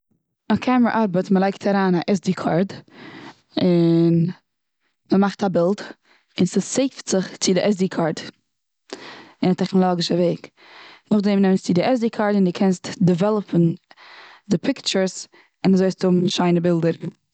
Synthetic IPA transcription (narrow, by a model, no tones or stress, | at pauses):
akʰaməɾʔaɾbətməlˠaɪk̚tʰaɾaːnaʔɛsdikʰaɾd | ɪn | məmaχtabɪlˠd | ɪnsəseɪftz̥ɪχt͡sɪdɪʔɛzdikʰaɾd | ɪnatɛχnɔlˠɔɡɪʃəveɪk | nʊχdɛmnɛmənst͡sɪdɪʔɛsdikʰaɾdɪndukʰɛnstdɪvɛlˠəpʰn̩ | dɪpʰɪkt͡ʃəɾs | ɪnazoɪstʊbmʃaɪnəbɪlˠdəɾ